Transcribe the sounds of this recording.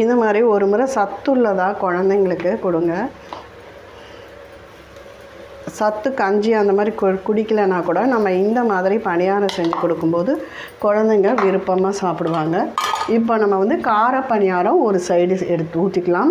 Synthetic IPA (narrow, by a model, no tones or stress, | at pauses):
ɪnd̪ɐmaːd̪ɾiɔɾɯmɯɾɐsɐt̪ːɯɭːɐðãːkɔɻɐnd̪ɐŋɡɐɭɯkːɯkɔɽɯŋɡɐ | sɐt̪ːɯkɐɲd͡ʒijɐnd̪ɐmaːd̪ɾikʊɽɪkːɐlɐnaːkuːɽɐnɐmːɐɪnd̪ɐmaːðɪɾipɐɳɪjaːɾɐ̃sɛɲd͡ʒɯkɔɽɯkːɯmpoːðɯ | kɔɻɐnd̪ɐɛŋɡɐɭʋɪɾɯpːɐmaːsaːpɪɽɯʋaːŋɡɐɪpːoːnɐmːɐʋɐnd̪ɯkaːɾɐpːɐɳɪjaːɾɐ̃ɔɾɯsɐɪɽɯɛɽɯt̪ːuːʈːɪkːɐlaːm